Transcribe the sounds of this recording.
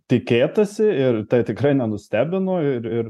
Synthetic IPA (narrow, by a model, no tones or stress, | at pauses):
t̪ʲɪkʲeːt̪ɐsʲɪɪrt̪ɐɪt̪ʲɪkɾɐɪnʲɛnʊsʲt̪ʲæːbʲɪnoːɪɾɪr